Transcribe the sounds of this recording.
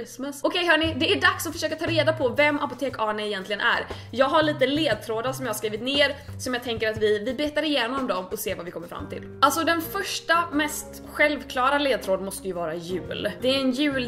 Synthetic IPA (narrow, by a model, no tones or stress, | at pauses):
sməsɔkʰɛjɦœːɳɪd̪ɛæɖaksɔfœ̥ʂøːkat̪ʰɑːɾeːd̪apʰɔvɛmːapʊt̪ʰeːkɑːɳaɛjɛnt̪lɪɡənʔæ̰ɾ | jɑːɡɦaɭiːt̪əleːd̪̚t̪ʰɾoːd̪aɾsɔmjɑːhaʂkɾiːvɪt̪nɪːɾsɔmjɑːɡ̚t̪ʰɛŋkəɾat̪vɪvɪbeːt̪aɾɪjeːnɔmd̪ɔmɔseːvavɪkʰɔmːəɾfɾa̰mːt̪ʰɪ̰lʔalsɔd̪ɛnfœʂʈamɛst̪ | ɧɛlvkʰlɑːɾaleːd̪̚t̪ʰɾoːd̪mɔst̪əjɵvɑːɾajʉ̟̰ːld̪ɛæɾɛnjʉ̟ːl